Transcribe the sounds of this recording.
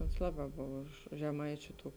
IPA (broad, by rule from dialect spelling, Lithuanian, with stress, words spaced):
oːns ˈlˠɑːˌbɑː ˈboːw ʊʃ ʊʃ ʒʲɛˈmɐɪt͡ʃʲʊ ˈtuː